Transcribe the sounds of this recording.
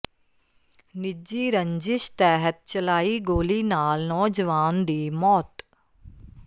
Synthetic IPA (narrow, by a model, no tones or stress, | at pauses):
nɪd͡ʒiːɾə̃ɲd͡ʒɪʃt̪ɛːɦət̪̚t͡ʃəlaːiɡoːliːnaːlnɔːd͡ʒəʋaːnd̪iːmɔːt̪